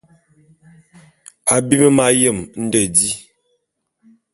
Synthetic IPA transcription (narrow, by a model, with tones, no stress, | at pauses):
a˨bi˦mə˦ma˦jə˦˨mn̩˦də˨di˦